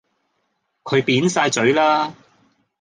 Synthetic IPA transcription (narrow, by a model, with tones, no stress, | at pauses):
kʰɵ˨˧ɥpiː˨˥nsaː˧jt͡sɵ˨˧˥ɥlaː˥